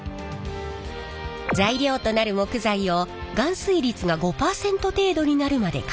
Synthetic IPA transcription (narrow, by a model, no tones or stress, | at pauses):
zaiɾʲo̞ːt̪o̞naɾɯ̟mo̞kɯ̟zaio̞ɡãɰ̃sɨiɾʲit͡sɨɡaɡo̞paːsẽ̞nt̪o̞t̪e̞ːd̪o̞ɲ̟inaɾɯ̟mad̪e̞̰kḁ